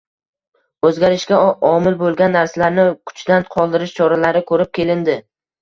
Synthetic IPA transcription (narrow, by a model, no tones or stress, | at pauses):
ɵzɡʲaɾɪʃkʲaɒmɪlbolˠɡʲanːaɾsalaɾnɪkʰʊ̥t͡ʃd̪anqʰɒlˠd̪ɪɾɪʃt͡ʃʰɒɾalaɾɪkʰɵɾɪp̚kʲʰe̞lɪnd̪ɪ